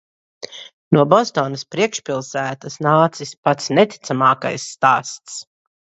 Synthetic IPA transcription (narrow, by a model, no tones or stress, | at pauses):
nuɔbɔst̪ɔːnɐspɾiɛkʃpʲilˠsæːt̪asnaːt̪sispat̪snɛt̪i̥t̪samaːka̰jsːt̪aːst̪s